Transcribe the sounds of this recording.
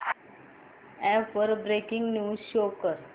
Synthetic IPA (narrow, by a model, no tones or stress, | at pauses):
ɛ̃pəɾbɾekiŋɡnjuːsɕokəɾ